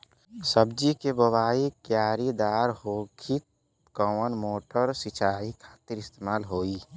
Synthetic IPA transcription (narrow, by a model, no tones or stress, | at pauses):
səbd͡ʒikebəwaːikjaːɾid̪aːɾhoːkʰit̪̚ | kɔːmənmoːʈəɾsɪt͡ʃʰaːikʰḁːt̪ɪɾɪst̪eːmaːlɦoːiː